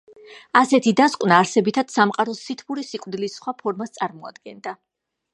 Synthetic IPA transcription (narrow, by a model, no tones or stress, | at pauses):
asɛt̪ʰid̪askʼwnaːɾsɛbit̪ʰad̪̥samqʼaɾɔsit̪ʰbuɾisikʼvd̪ilisχwapʰɔɾmast̪sʼaɾmɔa̰d̪ɡɛnd̪a